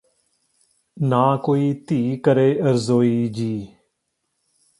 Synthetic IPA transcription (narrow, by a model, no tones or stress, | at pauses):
naːkoːiːt̪iːkəɾeːʔəɾzoːiːd͡ʒiː